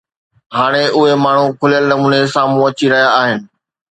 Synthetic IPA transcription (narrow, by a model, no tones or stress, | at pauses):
ɦaːɽ̃eʊɦemaːɳ̤ũkʰʊlijəlnɐmuːnesãːmũɐt͡ɕiɾɐɦijaaːɦɪnɪ̆